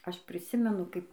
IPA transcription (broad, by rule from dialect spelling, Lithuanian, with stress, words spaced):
ˈɐʃ pʲrʲɪˈsʲɪmʲɛnʊ ˈkɐɪp